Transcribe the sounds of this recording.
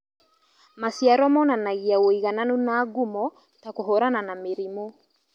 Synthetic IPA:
masiaɾɔmɔnanaɣiawoiɣananunaːɡumɔ | takoɦɔɾananameɾimɔ

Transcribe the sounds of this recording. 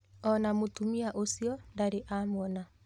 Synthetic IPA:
ɔnamotumiaʔosiɔndaɾeʔamɔna

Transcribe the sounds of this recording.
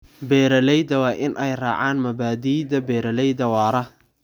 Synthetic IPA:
bɛːɾɐlɛjðɐwɑːʔɪnʔɛjra̰ːʕaːnmɐbaːðiːðɐbɛːɾɐlɛjðɐwɑːɾɐ

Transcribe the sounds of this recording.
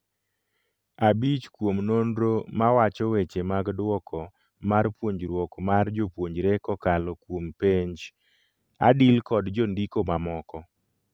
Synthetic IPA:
abit͡ʃkwomnonɾomawat͡ʃɔwet͡ʃemaɡdwɔkʰɔ | marpwoɲd͡ʒɾwɔkmard͡ʒopwoɲd͡ʒɾekɔkalɔkwompeɲd͡ʒ | a̰dilkɔdd͡ʒondikomamɔkɔ

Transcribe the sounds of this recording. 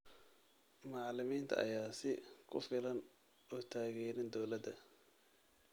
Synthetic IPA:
mɑʕlɪmiːnt̪ʰɐ̰ʔɐ̰jaːsɪkʰʊfɪlɐn | ɔt̪ʰaːɣɛːnɪnd̪ɔwlɐd̪ɐ

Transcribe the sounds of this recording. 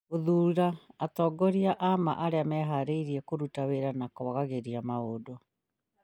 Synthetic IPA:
oðuːɾaːtɔːɡɔɾiaʔama̰ʔaɾeamɛɦaɾeiɾiɛkoɾutaweɾanakɔβaɣaɣeɾiamaodo

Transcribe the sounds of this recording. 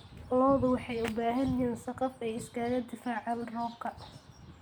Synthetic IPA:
lɔːðʊwɑħɑjʊbaːɦɐniːnsɑqɑfɛjɪskʰɐɣɐd̪ɪfaːʕɑlrɔːbkʰɐ

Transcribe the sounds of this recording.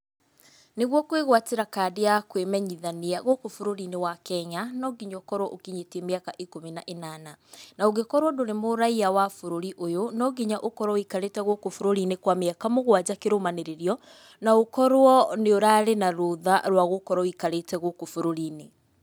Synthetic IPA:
neɣwɔkweɣwateɾakadejakwemɛɲiðaniaɣokofoɾoɾinewakɛɲanɔɡiɲɔkɔɾwɔʔokiɲetemeakaʔikominaʔenananaoɡekɔɾwɔdoɾemoɾaiawafoɾoɾiʔojonɔɡiɲaʔokɔɾwɔikaɾetɛɣokofoɾoɾinekwameakamoɣwad͡ʑakeɾomaneɾeɾiɔ | naokɔɾwɔneoɾaɾenaɾoðaɾwaɣokɔɾɔikaɾetɛɣokofoɾoɾiːne

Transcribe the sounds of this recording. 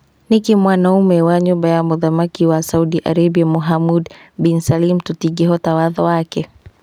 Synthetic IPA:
nikimwanaumɛwaɲubajamuðamakiwasauɗiʔa̰ɾɛbiamuɦamudbinsalimtutiɡɛɦɔtawaðɔwakɛ

